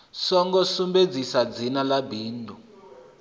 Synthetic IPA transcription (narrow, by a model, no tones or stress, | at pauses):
sɔŋɡɔsumbed͡zisad͡zinalabiːndʱʼu